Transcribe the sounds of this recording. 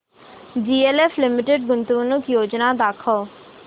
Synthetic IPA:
d͡ʒiːeːleːfʰlɪmɪʈeɖ̚ɡʊnt̪uuːnʊkjoːd͡ʒnaːd̪aːkʰoː

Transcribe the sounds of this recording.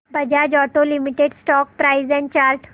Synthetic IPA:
bəd͡ʑad͡ʑɔʈolimiʈeɖsʈɔk̚pɾaizɛ̃ɳt͡ɕaɾʈ

